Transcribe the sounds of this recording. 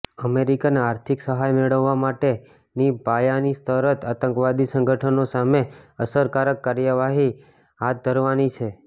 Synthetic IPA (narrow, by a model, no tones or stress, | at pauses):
əmeɾikaneaɾt̪ʰiksəɦajmeɭəʋːamaʈe | nibʱajanist̪ʰəɾət̪at̪ə̃ŋkʋad̪isə̃ŋɡʱəʈʰənosameəsəɾkaɾəkːaɾjəʋaɦi | ɦat̪̚d̪ʱəɾʋanit͡ʃʰe